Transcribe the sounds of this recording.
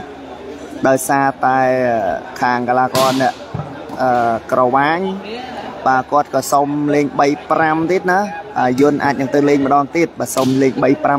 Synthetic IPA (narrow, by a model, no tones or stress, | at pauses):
ɗaɔjsaːt̪aɛəkʰaːŋkalaːkɑːnɛ̆əʔ | ʔəːkrɑʋaːɲ | ɓaːəkŏət̪̚kɑːsomleːŋɓəjpramt̪iət̪̚naɓajʊ̆ənʔa̰ːc̚nɨŋt̪ɨːleːɲmə̆ɗɑːŋt̪iət̪̚ɓaːsomleːɲɓəjpra